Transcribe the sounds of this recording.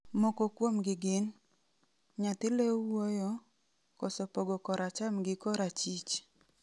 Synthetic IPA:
mokokwomɡɪɡɪn | ɲat̪ɪlewojɔ | kɔsɔpoɡɔkɔɾat͡ʃamɡɪkɔɾat͡ʃit͡ʃ

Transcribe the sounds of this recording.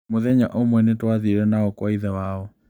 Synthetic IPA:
moðɛɲa̰ʔomwɛnetwaðiɾɛnaɔkwaiðɛwaɔ

